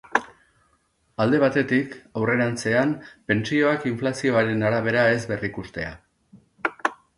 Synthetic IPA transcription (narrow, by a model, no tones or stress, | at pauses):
ald̪e̞β̞at̪e̞t̪ikawre̞ɾant͡se̞ampe̞nt͡sio̞akiɱflasio̞aɾe̞naɾaβ̞e̞ɾae̞zbe̞rikust̪e̞a̰